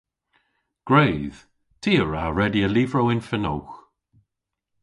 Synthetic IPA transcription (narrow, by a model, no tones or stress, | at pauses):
ɡ̥ɹejð̥ | tʰiːəɹaɹɛdiəlivɹowɪnfəno̰wx